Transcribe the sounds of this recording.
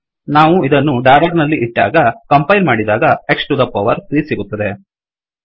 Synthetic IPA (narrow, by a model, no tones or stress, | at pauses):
naːʋuid̪ɐnːuɖɐjlɐɡnɐlːiʔiʈːa̰ːɡɐkɐmpɐjlmaːɽid̪aːɡɐeksʈud̪ɐpɐʋɐɾt̪ɾiːsiɡut̪ːɐd̪e̞